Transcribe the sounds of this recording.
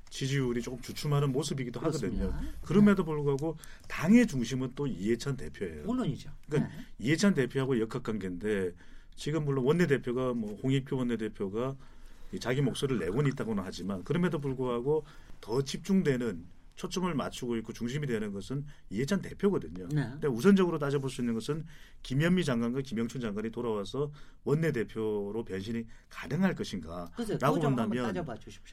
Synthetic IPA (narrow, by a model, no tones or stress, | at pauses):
t͡ɕid͡ʑiuɾit͡ɕ͈ok͈ɯmt͡ɕut͡ɕʰumaɾɯnmosʰɯbiɡidohaɡʌdɯɲokɯɾʌme̞dop̬uɭɡoɦaɡotaŋe̞t͡ɕuŋɕ̬ʰimɯnt͈oie̞t͡ɕʰante̞̰pʰjoḛjok͈aniɦe̞t͡ɕʰant̬e̞pʰjoɦaɡojʌkʰak͈anɡende̞ | t͡ɕiɡɯmːuɭːonwʌnːe̞de̞pʰjoɡamwʌhoŋik̚pʰjowʌnːe̞de̞pʰjoɡa | it͡ɕaɡimok̚s͈oɾɯɭːe̞̰ɡoɲit͈aɡonɯnhad͡ʑimankɯɾʌme̞dop̬uɭɡoɦaɡo | tʌt͡ɕʰip̚t͡ɕ͈uŋdwe̞nɯn | t͡ɕʰot͡ɕ͈ʌmɯɭma̰t͡ɕʰuɡoik͈ot͡ɕuŋɕ̬ʰimidwe̞nɯnɡʌsʰɯn | iet͡ɕʰante̞pʰjoɡʌdɯɲondeusʰʌnd͡ʑʌɡɯɾot̬ad͡ʑʌboɭs͈uinːɯnɡʌsʰɯnkimjʌmːid͡ʑaŋɡwanɡwakimjʌŋt͡ɕʰuŋd͡ʑaŋɡwaɲitoɾawasʰʌ | wʌnːe̞de̞pʰjoɾopjʌnɕʰiɲikanɯŋɦaɭk͈ʌɕʰinɡaɾaɡomndamjʌnn